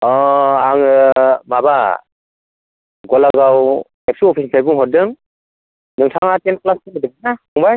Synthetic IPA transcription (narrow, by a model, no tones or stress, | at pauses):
ɔaŋɯmaba | ɡɔlaɡaw | ɛp̚suɔpʰispʰajbuŋɦɔdɯŋ | nɯŋtʰaŋatenklastɯŋɯdɯŋ̚ɯnaɔŋbaj